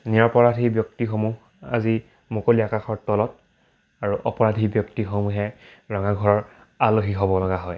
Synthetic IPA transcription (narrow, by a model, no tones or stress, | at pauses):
niɹɔpɔɹadʱibjɔktixomuɦ | a̰zi | mokoliakaxɔɹtɔlɔt | aɹuʔɔpɔɹadʱibjɔktixomuɦɛɹɔŋaɡʱɔɹɔɹ | aloxiɦɔbɔlɔɡaɦɔj